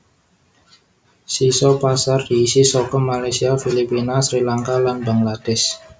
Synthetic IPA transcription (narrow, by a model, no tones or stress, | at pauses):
sisɔpasard̥isisɔkəmːalajsiafilipinasɾilaŋkalanba̤ŋlad̥ɛs